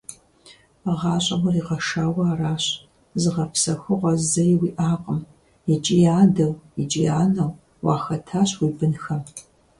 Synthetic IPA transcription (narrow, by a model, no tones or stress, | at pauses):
ʁɑːɕʼɐwɐriːqɐʃaːwɐaːraːɕ | zɨʁɐpʰsɐxʷʊʁʷɐzɐjwiːʔaːqʼəm | it͡ʃʼijaːdɐwit͡ʃʼijaːnɐw | wɑːxɐtʰaːɕwiːbɨnxɐm